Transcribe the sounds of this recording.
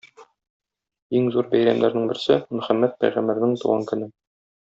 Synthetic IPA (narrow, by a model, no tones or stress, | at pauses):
iŋzuɾbæjɾæmd̪æɾnɘŋbɘ̆ɾsɘmɵ̆χæmːæt̪̚pæ̰jʁæmbæɾnɘŋt̪ṵʁɑŋkɵ̆nɘ